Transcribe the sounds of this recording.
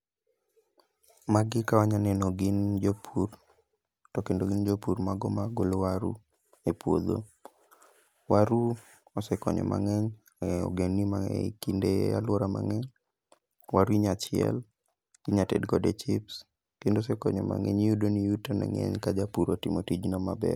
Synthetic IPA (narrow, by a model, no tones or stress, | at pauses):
maɡɪkawaɲanɛnoɡɪnd͡ʒopʰur | tɔkendoɡɪnd͡ʒopurmaɡɔmaɡolwaɾṵ | epwo̰d̪o̰ | waɾu | ɔsɛkɔɲɔ̰mʔa̰ŋɛɲ | ɔ̰ɡenːimaɛkindealwɔɾama̰ŋɛɲ | waɾuiɲat͡ʃɪɛ̰l | ɡ̥iɲatḛdɡɔdet͡ʃɪps | kendosɛkɔɲɔma̰ŋɛ̰ɲjudonijutonɛ̰ŋɛ̰ɲkad͡ʒapuɾotimotid͡ʒnɔmabɛr